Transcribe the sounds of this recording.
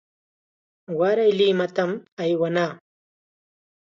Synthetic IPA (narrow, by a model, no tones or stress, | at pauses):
waɾɐjliːmɐt̪ɐmɐjwɐnaː